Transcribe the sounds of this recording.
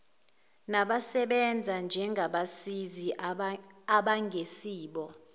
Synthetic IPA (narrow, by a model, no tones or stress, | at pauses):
naɓasɛɓɛnd͡zʱand͡ʒʱɛŋɡʱaɓasizi | aɓaŋɡʱesiːɓɔ